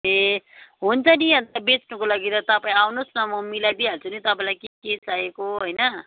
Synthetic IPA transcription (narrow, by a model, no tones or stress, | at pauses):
eɦunt͡sʰʌniɦʌ̃nt̪abet͡snukolaɡid̪at̪ʌpaĩawnusnʌmʌmilab̪iɦalt͡sʰunit̪ʌpãj̃lajkekeslaekoɦojnʌ